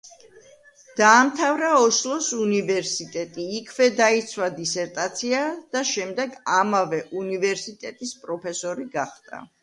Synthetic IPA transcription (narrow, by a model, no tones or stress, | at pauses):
d̪̥aːmt̪ʰavɾaɔʃlˠɔsunivɛɾsit̪ʼɛt̪ʼiːkʰvɛd̪ait̪sʰwad̪isɛɾt̪ʼat̪sʰiad̪̥aʃɛmd̪ɛɡamavɛʔunivɛɾsit̪ʼɛt̪ʼispʼɾɔpʰɛsɔɾiɡaχd̪ʼa̰